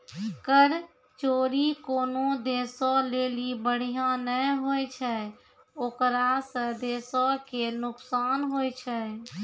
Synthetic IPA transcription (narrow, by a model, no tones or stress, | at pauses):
kəɾ | t͡ʃoːɾikonod̪esɔlelibəɽ̤ijãnɛɦojt͡ʃʰɛ | oːkɾasə̃d̪esɔkenʊksanɦojt͡ʃʰɛ